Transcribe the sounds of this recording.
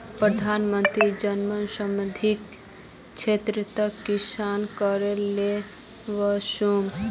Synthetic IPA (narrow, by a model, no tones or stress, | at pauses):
pɾəd̪ʱaːnmənt̪ɾid͡ʒənmənsəməd̪ʱik | t͡ʃʰet̪ɾət̪əkːisankəɾele | ʋəʃum